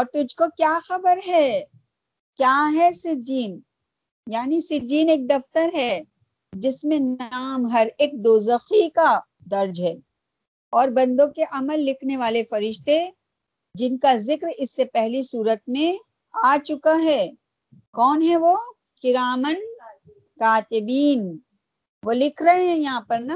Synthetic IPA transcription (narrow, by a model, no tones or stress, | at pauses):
ɔːɾt̪ʊd͡ʒʱkokjaːxɐbəɾɦɛː | kjaːɦɛsɪd͡ʒiːn | jaːnisɪd͡ʒiːneːk̚d̪ɐft̪əɾɦɛ | d͡ʒɪsmẽnaːmɦɐɾeːk̚d̪oːzɐxika | d̪ɐɾd͡ʒɦɛː | ɔːɾbɐ̃nd̪õkeʔɐməlːɪkʰneʋaːlefɐɾɪʃt̪e | d͡ʒɪnkazɪkɾɪsːepɛɦlisuːɾət̪̚mẽ | aːt͡ʃʊkaɦɛː | kɔːnɦɛʋoː | kɪɾaːmən | kaːt̪ɪbiːn | ʋoːlɪkʰɾɐɦeɦɛ̃jɐɦãpɐɾna